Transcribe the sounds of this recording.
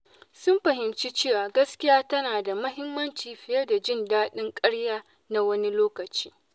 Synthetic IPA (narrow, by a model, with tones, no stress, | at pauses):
sʊ˦mɸɐ˨ɦɪ˨mt͡ʃi˦t͡ʃeː˦˨wa˨ɡɐ˦skʲɪ˦jaː˦tɐ˦naː˨da˨mɐ˦ɦɪ˦mːɐ˦nt͡ʃiː˨ɸɪ˨jɐ˦da˨d͡ʒɪ˦˨ndaː˦ɗɪ˦ŋkʼɐ˦ɽjaː˦ | na˦wɐ˦ni˦loː˦kɐ˨t͡ʃi̥ː˦